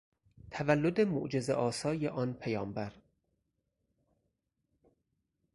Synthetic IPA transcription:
t̪ʰævælːod̪emo̰ʔd͡ʒe̞zḛʔɒːsɒːjeʔɒːnpʰejɒːmbæɾ

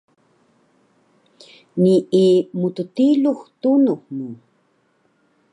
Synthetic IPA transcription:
niʔimut̪utiluxt̪unuxnu

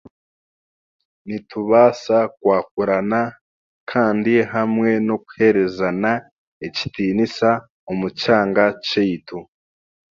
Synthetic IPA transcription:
nituβaːsakwaːk̚uɾana | kʰaːndiɦamŋe̞no̞ku̥he̞ɾe̞zana | eci̥tiːnisa | omucaːŋɡat͡ʃejitu

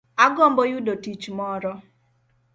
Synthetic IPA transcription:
aɡɔmbɔjʊdotit͡ʃmɔɾɔ

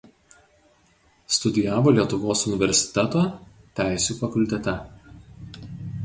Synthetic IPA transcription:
st̪ʊd̪ʲɪjæːʋoːlʲiɛt̪ʊʋoːsʊnʲɪʋʲɛɾʲsʲɪ̥t̪ʲɛt̪oː | t̪ʲæˑɪsʲuːfɐkʊlʲt̪ʲɛt̪ʲɛ

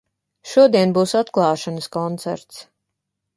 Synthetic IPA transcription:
ʃuɔd̪iɛnbuːsat̪klˠɑːʃanəskɔnt̪sæ̰ɾt̪s

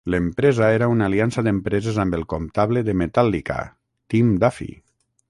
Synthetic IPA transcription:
ləmpɾezaeɾaunaliansaðempɾezezambelˠkomt̪aβleðemet̪alːika̰ | t̪imd̪afḭ

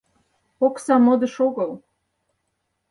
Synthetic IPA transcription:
oksɑmɤ̆d̪ɤ̆ʃoɣɤ̆l

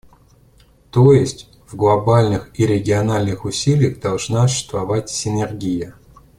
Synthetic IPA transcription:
t̪ojɪsʲtʲ | vɡlˠɐbalʲnɨxiɾʲɪɡʲɪɐnalʲnɨxʊsʲilʲɪjəɣd̪ɐlˠʐnasʊ̥ɕɪ̥st̪vɐvatʲsʲɪnʲɪrɡʲijə

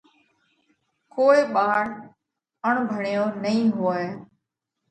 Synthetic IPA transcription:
koːiːɓaːɽ | əɳ̃bʱəɳijõːnəĩːɦʊeː

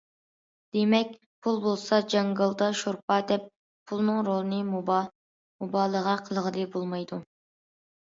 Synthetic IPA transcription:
d̪̥emɛk̚ʲ | pʰulˠbolˠsɑd͡ʒɑŋɡɑlˠd̪ɑʃoɾpɑd̪ɛp̚ʰː | ulˠnɨŋɾolˠɨnɨm | mobɑːlˠəʁɑqʰəlˠəʁəd̪ɨbolˠmɑjd̪u

